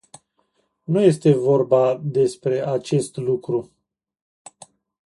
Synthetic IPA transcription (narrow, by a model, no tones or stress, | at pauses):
nuje̞st̪e̞vo̞rbad̪e̞spɾe̞ʔat͡ʃe̞st̪lukɾu